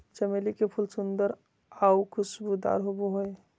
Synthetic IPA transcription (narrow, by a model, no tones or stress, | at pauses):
t͡ʃəmelikepʰʊlsʊnd̪əɾ | aukʰʊsbud̪a̰ːɾɦoboɦoe